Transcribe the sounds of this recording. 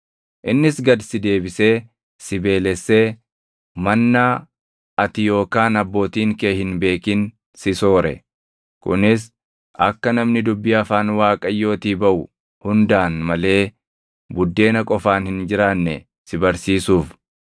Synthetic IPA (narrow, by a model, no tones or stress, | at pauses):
ʔɪnːɪsɡɐd̪sɪd̪e̞ːbɪse̞ː | sɪbe̞ːlɛsːe̞ː | mɐnːa | ɐt̪ɪjo̞ːkaːnɐbːo̞ːt̪iːŋkeːhɪnbe̞ːkɪn | sɪso̞ːɾɛ̰ | kʊ̰nɪs̬ | ʔɐkːɐnɐmnɪd̪ʊbːɪɐfaːnwaːkʼɐjːo̞ːt̪iːbɐʔʊ | hʊnd̪aːnmɐle̞ː | bʊd̪ːe̞ːnɐkʼɔfaːnhɪnd͡ʒɪɾaːnːɛ̰ | sɪbɐɾsiːsuːf